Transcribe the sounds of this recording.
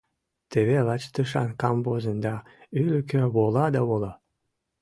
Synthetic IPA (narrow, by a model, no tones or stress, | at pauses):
t̪eβelɑt͡ɕt̪ɨʃɑ̰nkɑmbozənd̪ɑ | ylʲɘkøβolɑd̪ɑβolɑ